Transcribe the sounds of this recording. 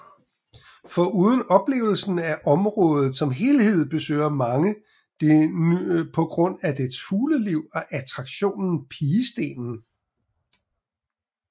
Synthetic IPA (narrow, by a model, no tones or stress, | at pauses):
fɒ̽ʔuːð̞ˠən̩ɒ̽b̥le̝̰ːʊl̩sn̩æʔɒ̽mʁɔ̽ːð̞ˠð̩ˠsɒ̽mɦe̝lhe̝ð̞̰ˠb̥e̝sø̰ɪ̰ɐmɑ̈ŋə | d̥e | pʰɒ̽ɡ̥ʁɔ̽n̰æd̥esfuːləliʊ̰ɒʔæt͡sʰʁɑ̈ɡ̥ɕo̝̰ːnn̩pʰiːsd̥e̝̰ːnn̩